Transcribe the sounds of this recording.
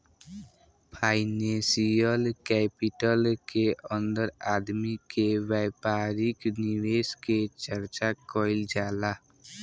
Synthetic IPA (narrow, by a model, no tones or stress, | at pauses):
pʰaːɪnẽsijəlkɛːpɪʈəlkeə̃nd̪əɾaːd̪mikeʋɛɪpaːɾɪknɪweːsket͡ʃəɾt͡ʃakɔːɪld͡ʒaːlaː